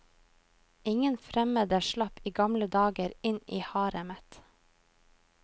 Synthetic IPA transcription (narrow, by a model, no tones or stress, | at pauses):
ɪŋənfɾɛməd̪əʃlɑpiːɡɑmləd̪ɑːɡəɾɪniːhɑːɾəmət̪